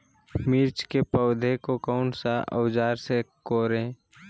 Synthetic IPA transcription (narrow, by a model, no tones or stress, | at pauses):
miːɾt͡ʃkepəʊd̪ʱekokɔʊnsaʔə̰wd͡ʒaːɾsekoːɾẽː